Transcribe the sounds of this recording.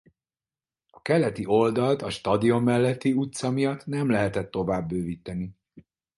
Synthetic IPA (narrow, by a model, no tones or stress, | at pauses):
ɒkɛlɛt̪iʔo̞ld̪ɒlt̪ɒʃt̪ɒd̪io̞mːɛlːɛt̪ːiut̪sɒmijɒt̪nɛmlɛɦɛt̪ɛt̪ːo̞vaːbːøːviːt̪ɛni